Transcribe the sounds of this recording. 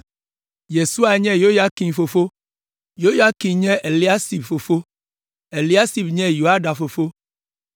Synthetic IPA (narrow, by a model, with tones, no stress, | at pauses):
je˨su˦a˨ɲɛ̃˦jo˦ja˦ki˨mfo˨fo˦ | jo˦ja˦ki˨mɲɛ̃˦ʔe˨li˦a˦si˨bfo˨fo˦ | e˨li˦a˦si˨bɲɛ̃˦jo˨a˦ɖa˨fo˨fo˦